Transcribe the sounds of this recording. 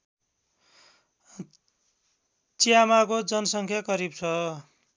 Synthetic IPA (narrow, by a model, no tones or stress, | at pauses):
t͡sijamakod͡zʌnʌsʌŋkʰjakʌɾib̚t͡sʰʌ